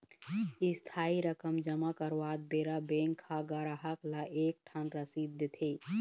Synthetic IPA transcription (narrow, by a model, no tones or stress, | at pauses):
ist̪ʰaːiɾəkəmd͡ʒəmakəɾwaːd̪̚beɾabeŋkʰːaɡəɾaɦəklaʔeːk̚ʈʰənɾəsid̪ːət̪ʰi